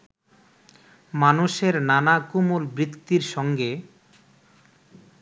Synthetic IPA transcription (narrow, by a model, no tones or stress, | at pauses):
manuʃeɾnanakumulbɾit̪ːiɾʃɔŋɡe